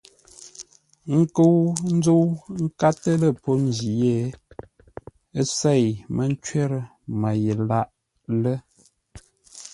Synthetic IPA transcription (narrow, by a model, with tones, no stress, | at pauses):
ŋ̩˦kə˦wn̩˦d͡zə˦wŋ̩˦ka˦tə˦lə˦˨po˦n˦d͡ʒi˨je˦˨ | ə˦se˦˨jmə˦n̩˦t͡ʃɥe˦ɾə˦ | mə˨jə˨la˦ʔ | lə˦